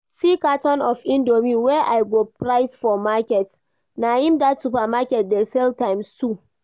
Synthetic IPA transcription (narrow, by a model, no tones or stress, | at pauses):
sikatɔnʔɔfʔɪ̃ndomiwɛʔajɡopɾaɪsfɔmakʲɛt | najɪmdatsupamakʲɛt̚dɛsɛltajmstu